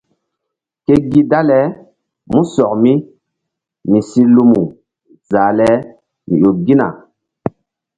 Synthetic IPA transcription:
ke˦ɡi˦da˦lɛ˦ | mũ˦sɔ˨k̚mi˦ | mi˨si˦lu˦mu˨ | za˨lɛ˦ | mḭ̃˨jo˨ɡi˦na̰˨

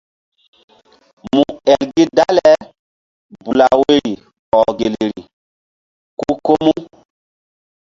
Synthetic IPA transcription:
mu˨ɛ˨lɡi˦da˦lɛ˦ | bu˨la˨we˦ɾi˨ | ɔ˨ɡe˨le˨ɾḭ˨ | ku˦ko˦mu˦

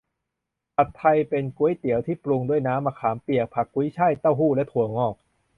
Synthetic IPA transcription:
ʔa˨˩t̪ʰːa˧jpe˧nku˦˥əjt̪i˩˦əwt̪ʰiː˥˩plu˧ŋdu˥˩əjnaː˦˥mːaː˧kʰaː˩˦mpi˨˩ək̚pʰa˨˩kːu˧˦˥jt͡ɕʰa˥˩jt̪a˥˩wɦuː˥˩lɛ˦˥˩t̪ʰu˨˩˦əŋɔː˧˥˩k̚

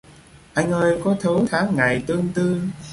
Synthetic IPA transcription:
ʔa˧jŋ̟ʔəː˧jkɔ˨˦t̪ʰə˨˦wt̪ʰaː˨˦ŋːa˨˩jt̪ɨ˧əŋt̪ɨ˧

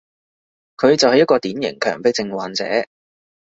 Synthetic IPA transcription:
kʰɵ˨˧ɥt͡sɐ˨whɐ˨jːɐ˥t̚kɔː˧t̪iː˨˥njɪ̰˨˩ŋkʰœ̰ː˨˩ŋpe˨˥jt͡sɪ˧ŋwaː˨nt͡sɛ̰ː˨˥

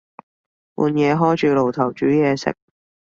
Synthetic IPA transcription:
wṵː˨˧njɛː˨˧ɦɔː˥jt͡ʃyː˨˧lo˨˩wt̪ʰɐ˨˩wt͡ʃyː˨˥jɛː˨˧sɪ̰˨k̚

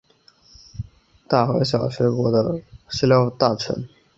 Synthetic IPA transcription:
t̪a˥˩xwe˧˥ɪɕjɑ˨˩ʊɕɥɛ˧˥kwɔ˧˥d̪ə˧ʂ̩˥ljɑ˥ʊt̪a˥˩ʈ͡ʂʰə̰˧˥n

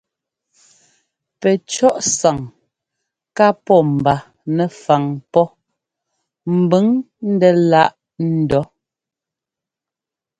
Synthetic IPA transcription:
pɛ˨t͡ʃɔ˦ʔsa˨ŋ | ka˦pɔ˦˨m̩˨ba˨ | nɛ˨fa˨ŋpɔ˦ | m̩˨bə˨˦ŋ | n̩˦dɛ˦la˦˨ʔ | n̩˦dɔ˦

